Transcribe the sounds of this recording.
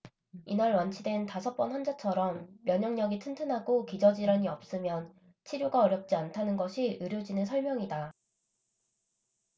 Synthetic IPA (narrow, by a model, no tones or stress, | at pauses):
inaɭwant͡ɕʰidwe̞ntasʰʌp͈ʌnɸand͡ʑat͡ɕʰʌɾʌmːjʌɲʌŋɲʌɡitʰɯntʰɯnɦaɡokid͡ʑʌd͡ʑiɾaɲiʌp̚s͈ɯmjʌn | t͡ɕʰiɾjoɡaʌɾjʌp̚t͡ɕ͈iantʰanɯnɡʌɕʰiʔɯɾjod͡ʑinɯnsʰʌɭmjʌŋida